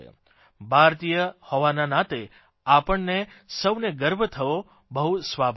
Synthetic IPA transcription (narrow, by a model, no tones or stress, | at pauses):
ḛ | bʱaɾt̪ijəhɔʋananat̪e | apəɳnesəʋneɡəɾbʱət̪ʰəʋo | bəɦusʋabʱ